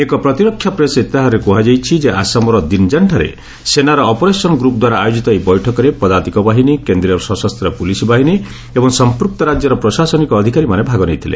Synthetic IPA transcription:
ekɔpɾɔt̪iɾɔkʰːjapɾeset̪aɦaɔɾekuɦad͡ʒajt͡ʃʰid͡ʒeasamɔɾɔd̪ind͡ʒaɳʈʰaɾḛ | senaɾɔːpɔɾesɔnɔɡɾupd̪waɾaːjod͡ʒit̪ɔibɔjʈʰɔkɔɾepɔd̪aɾt̪ikɔbaɦinikend̪ɾiɔɾsɔsɔst̪ʰɾɔpulisɔbaɦini | ebɔŋsɔmpɾuk̚t̪ɔɾad͡ʒjɔɾɔpɾɔsasɔnikɔːd̪ʱikaɾimanebʱaɡɔnejt̪ʰilḛ

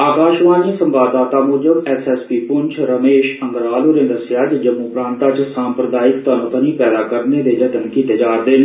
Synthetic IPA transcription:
aːkaːʃʋãːɲt͡ʃsə̃mbaːd̪aːt̪amʊːd͡ʒəbɛːsɛːspiːpʊɲt͡ʃʰɾəmeːʃə̃ŋɡɾaːluːɾẽnd̪əsjaːt͡ʃd͡ʒəmːuːpɾãːnt̪at͡ʃsaːmpɾəd̪aːɪkt̪ənot̪əniːpɛːd̪aːkəɾned̪eːd͡ʒət̪ənkiːt̪eːd͡ʒaːɾd̪eːn

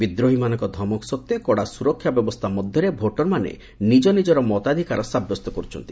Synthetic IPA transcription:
bid̪ɾoɦimanɔŋkɔd̪ʱɔmɔksɔt̪ːjekɔɽasuɾɔkʰːjabjɔbɔst̪ʰamɔd̪ʱjɔɾebʱoʈɔɾmanḛ | nid͡ʒɔnid͡ʒɔɾɔmɔt̪ad̪ʱikaɾɔsabjɔst̪ɔkɔɾut͡ʃʰɔnt̪i̥

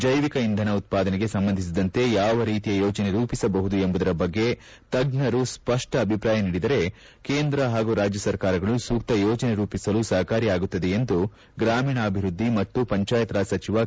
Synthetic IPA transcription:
d͡ʒɐjʋikɐind̪ʱɐnɐut̪̚paːd̪ɐneɡe̞sɐmbɐnd̪ʱis̬id̪ɐnt̪e̞jaːʋɐɾiːt̪ijɐjoːt͡ʃɐne̞ɾuːpisɐbɐɦud̪ue̞mbud̪ɐɾɐbɐɡːe̞ | t̪ɐɡɳɐɾuspɐʂʈɐːbʱipɾaːjɐniːɽid̪ɐɾe̞ | keːnd̪ɾɐɦaːɡuɾaːd͡ʒjɐsɐɾkaːɾɐɡɐɭusuːk̚t̪ɐjoːt͡ʃɐne̞ɾuːpisɐlusɐɦɐkaːɾiaːɡut̪ːɐd̪e̞end̪u | ɡɾaːmiːɳɐːbʱiɾud̪ːimɐt̪ːupɐɲt͡ʃaːjɐt̪ɾaːsɐt͡ʃiʋɐ

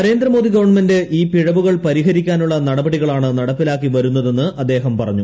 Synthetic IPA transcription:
ɐɾe̞ːnd̪ɾɐmo̞ːd̪iɡɐʋɐɳmendɨʔiːpiɻɐʋuɣɐɭpɐɾiɦɐɾikʲːaːnuɭːɐnɐɽɐbɐɽiɣɐɭaːɳɨnɐɽɐpːilaːkːiʋɐɾunːɐðe̞nːɨɐd̪ːe̞ːɦɐmpɐrɐɲːu

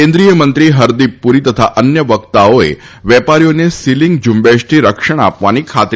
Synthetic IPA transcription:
ẽnd̪ɾijəmə̃nt̪ɾiɦəɾd̪ipːuɾit̪ət̪ʰa̰ʔənjəʋəkt̪aoḛ | ʋɛpaɾijonesiliŋɡ̚d͡ʒumbeʃʈʰiɾəkʂəɽ̃a̰pʋanikʰat̪

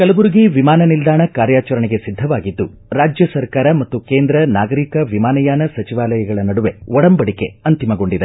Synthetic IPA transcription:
kɐlɐbuɾuɡiʋimaːnɐnild̪aːɳɐkaːɾjaːt͡ʃɐɾɐɳeɡe̞sid̪ʱːɐʋaːɡid̪ːu | ɾaːd͡ʒjɐsɐɾkaːɾɐmɐt̪ːukeːnd̪ɾɐnaːɡɐɾikɐʋimaːnɐjaːnɐsɐt͡ʃiʋaːlɐjɐɡɐɭɐnɐɽuʋe̞̰ɔɽɐmbɐɽike̞̰ɐnt̪imɐɡo̞ɳɖid̪e

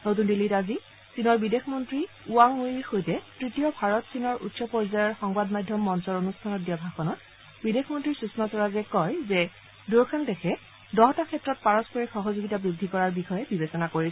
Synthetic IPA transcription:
not̬undilːitazi | sinɔɹbidexmɔntɹi | uaŋujxojtɛtɹitijɔbʱaɹɔtsinɔɹʔṵtsɔpɔɹzajɔɹxɔŋbadmajdʱjɔmːɔnsɔɹonustʰanɔt̚diabʱaxɔnɔt̚ | bidexmɔntɹiɹsusmasɔɹazɛkɔjzɛ | duɹkʰandɛxʰɛ | dɔɦɔtakʰɛtːɹɔt̚paɹɔspɔɹixɔɦɔzoɡitabɹidʱikɔɹaɹbixɔjɛbibesɔnakoɹi

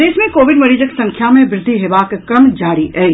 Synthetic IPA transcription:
d̪eːsmẽkoːʋɪɖmɐɾiːd͡ʒəksɐ̃ŋkʰjamẽʋɾɪd̪ʱːiɦeːʋaːkkɾəmd͡ʒaːɾiɛː

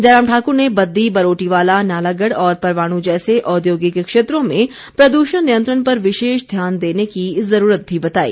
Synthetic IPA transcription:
d͡ʒɐɾaːmʈʰaːkʊɾnebɐd̪ːibɐɾoːʈiʋaːlanaːlaɡəɽɔːɾpɐɾʋaːɽ̃ũd͡ʒɛːseʔɔːd̪joːɡikekʃeːt̪ɾõmẽ | pɾɐd̪uːʃənnijə̃nt̪ɾəɽ̃pɐɾʋɪʃeːʃd̪ʱjaːnd̪eːnekizɐɾuːɾət̪̚bʱibɐt̪aːḭː

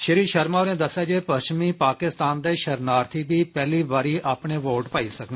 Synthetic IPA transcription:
ʃəɾiːʃəɾmaːnẽːd̪əsaːd͡ʒeːpəsʃt͡ʃmiːpaːkɪst̪aːnd̪eːʃəɾnaːɾt̪ʰiːbiːpɛːliːbaːɾiːʔaːpɳeːʋoːɾʈpaːiːsəkː

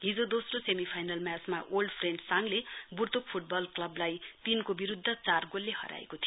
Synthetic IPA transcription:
ɦid͡zod̪osrosemipʰajnalmjat͡smaʔolɖpʰrenɖsaŋleburt̪uk̚pʰuʈ̚bʌlklʌblajt̪inkobiɾud̪ʱːʌt͡sarɡolːehʌ̰ɾa̰ḛkot̪ʰij

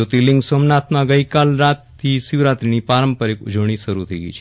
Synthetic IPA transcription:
ot̪ilɪ̃ŋɡsomnat̪mãɡəikalɾat̪ʰːisiʋɾat̪ɾinipaɾəmpəɾekṵd͡ʒəʋɳ̃iʃəɾut̪ʰəiɡə̰jt͡ʃʰe

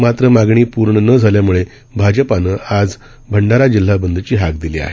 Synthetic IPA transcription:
mat̪ɾəmaɡɳiːpuɾɳənəd͡zʱaljamuɭe | bʱad͡ʑəpanəːad͡z | bʱəɳɖaɾad͡ʑilːabənd̪ət͡ɕiːɦakd̪iliːa̰ɦe

